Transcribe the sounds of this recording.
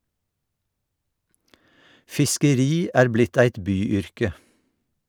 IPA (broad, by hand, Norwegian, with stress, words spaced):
fɪskəˈɾiː ˈæːɹ ˈblɪt ˈæɪt ˈbyːˌʏɹkə